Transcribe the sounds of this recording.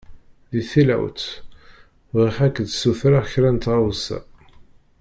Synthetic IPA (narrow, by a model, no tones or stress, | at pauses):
ðiθilæ̰wt̪ | vʁiħækːd̪suθɾaçɾænt̪ʁawsæ̰